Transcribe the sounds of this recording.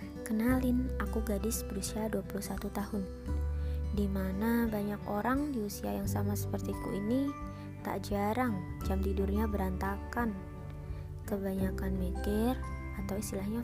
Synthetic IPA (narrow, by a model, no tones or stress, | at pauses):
kənalɪnakuɡadɪsbəɾusiaduapuluhsat̪ut̪ahʊn | dimanabaɲakoɾaŋdiusia̰jaŋsamasə̥pərt̪ikṵʔini | t̪a̰ʔd͡ʒaɾaŋd͡ʒamt̪idʊrɲabəɾant̪akan | kəbaɲakanmɛkɛr | at̪awist̪ilahɲa